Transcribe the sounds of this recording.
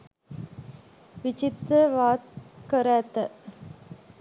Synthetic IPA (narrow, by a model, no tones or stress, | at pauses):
ʋit͡ʃit̪ɾəʋaːt̪̚kəɾaːt̪ɐ